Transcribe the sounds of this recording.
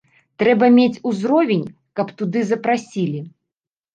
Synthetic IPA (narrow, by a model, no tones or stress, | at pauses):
t̪ɾɛbɐmʲet͡sʲuzɾɔvʲenʲ | kɐpt̪ud̪ɨzɐpɾasʲilʲi